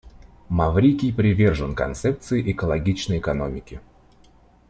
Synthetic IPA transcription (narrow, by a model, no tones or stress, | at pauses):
mɐvɾʲikʲɪjpɾʲɪvʲerʐɨnkɐ̰nt̪sɛp̚t̪sɨɪʔɪkəlˠɐɡʲit͡ɕnəjɪkɐnomʲɪkʲɪ